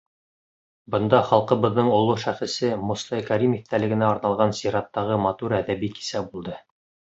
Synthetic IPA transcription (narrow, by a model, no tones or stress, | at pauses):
bɤ̆nd̪ɑχɑlˠqɤ̆βɤ̆ðːɤɴŏlˠuʃæχɘ̆sɘmust̪ɑkæɾimiθt̪ælɘ̆ɡɘ̆næɑɾnɑlˠʁɑnsiɾɑt̪ːɑʁɤmɑt̪uɾæðæβiki̥sæbulˠd̪ɤ